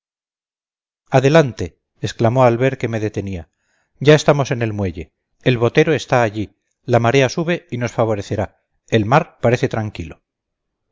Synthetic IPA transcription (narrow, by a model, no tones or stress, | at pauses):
aðe̞lant̪e̞ː | sklamo̞alβe̞ɾke̞me̞ðe̞t̪e̞nia | ɟ͡ʝae̞st̪amo̞se̞ne̞lmwe̞ʝe̞ | elβo̞t̪e̞ɾo̞e̞st̪aːʎi | lamaɾe̞asuβe̞ino̞sfaβ̞o̞ɾe̞θe̞ɾa | e̞lmaɾpaɾe̞θe̞t̪ɾaŋkilo̞